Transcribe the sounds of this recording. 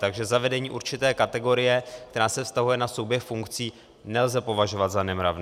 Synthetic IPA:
t̪aɡʒɛzavɛdɛɲiːʔuɾt͡ʃɪt̪ɛːkat̪ɛɡo̞ɾɪjɛk̚t̪ɛɾaːsɛfst̪aɦujɛnaso̞wbjɛxfuŋkt͡siː | nɛlzɛpo̞vaʒo̞vat̪zanɛmɾa̰vnː

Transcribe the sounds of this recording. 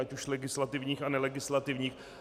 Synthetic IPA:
acuʃlɛɡɪslat̪ɪvɲiːxanɛlɛɡɪslat̪ɪvɲiːx

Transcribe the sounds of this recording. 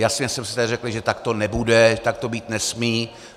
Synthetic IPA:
jasɲɛsɛmsɪ̥t̪adɪrɛklɪʒɛt̪akt̪o̞nɛbudɛt̪ak̚t̪o̞biːt̪nɛsmiː

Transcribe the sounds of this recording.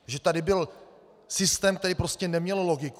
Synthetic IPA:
ʒɛt̪adɪbɪl | sɪst̪ɛːmkt̪ɛɾiːpɾoscɛnɛmɲɛlloɡɪk

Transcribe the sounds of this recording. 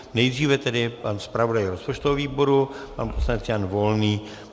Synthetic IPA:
nɛjd̪r̝iːvɛt̪ɛdɪpanspɾavodajɾospot͡ʃt̪oɦoviːbo̞ɾupanposlanɛt͡sjanvo̞lniː

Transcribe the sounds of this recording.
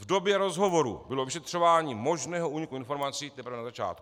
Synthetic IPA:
vdo̞bjɛɾo̞zɦo̞vo̞ɾṵbɪlo̞vɪʃɛt̪r̥o̞vaːɲiːmo̞ʒnɛːɦoʔuːɲikuɪnfo̞ɾmat͡siːt̪ɛpɾvɛnazat͡ʃa̰ːt̪ku̥

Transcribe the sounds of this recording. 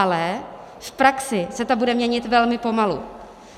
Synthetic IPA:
lɛ | fpɾaksɪsɛt̪obudɛmɲɛɲɪt̪vɛlmɪpo̞malṵ

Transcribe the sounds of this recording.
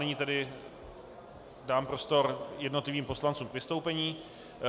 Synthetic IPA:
ɛɲiːt̪ɛdɪ | daːmpɾo̞st̪o̞ɾjɛdno̞t̪lɪviːmpo̞slant͡suːmkvɪst̪o̞wpɛɲiː

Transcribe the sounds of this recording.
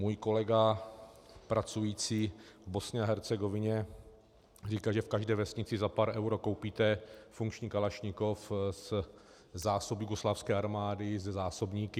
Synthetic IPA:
muːjko̞lɛɡa | pɾʔat͡sujiːt͡siːvbo̞sɲɛaɦɛɾt͡sɛɡovɪɲɛ | riːkaʒɛfkaʒdɛːvɛsɲɪt͡sɪzapaːɾʔɛwɾoko̞wpiːt̪ɛfuŋkt͡ʃɲiːkalaʃɲɪkofz | zaːsobjuɡoslaːfskɛːaɾmaːdɪzɛzaːsobɲiːkɪ

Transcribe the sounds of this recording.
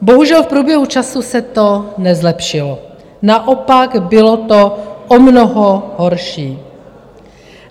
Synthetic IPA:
boɦuʒɛlfpɾuːbjɛɦut͡ʃasusɛt̪onɛzlɛpʃɪlo | naʔopaɡbɪlot̪oʔomnoɦoɦoɾʃiː

